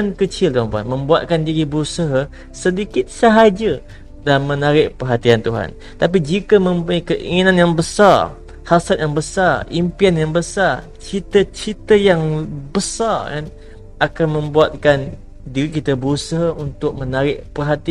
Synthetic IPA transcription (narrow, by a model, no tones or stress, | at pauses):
nkət͡ʃɪlt̪uɦanpuanmə̃mbuat̪̚kandiɾibəɾusəɦa | sədikɪt̪̚səɦad͡ʒə | dalamːə̃naɾɪʔ̚pərɦat̪iant̪uɦa̰n | t̪ap̬id͡ʒikəmə̃mpuɲakəʔḭŋinãnjaŋbəsar | hasat̪̚jaŋbəsarimpianjaŋbəsar | t͡ʃit̪ət͡ʃit̪əjaŋbəsara̰n | ʔakanmə̃mbuat̪̚kan | diɾikit̪əbəɾusəɦaunt̪ʊk̚mənaɾɪʔpərɦat̪i